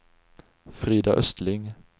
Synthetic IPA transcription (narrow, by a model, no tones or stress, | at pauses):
fʁiːd̪ɑʔœst̪lɪŋ